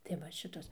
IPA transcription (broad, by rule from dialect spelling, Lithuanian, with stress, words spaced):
tɐɪ ˈʋɐ ˈʃʲɪtoːs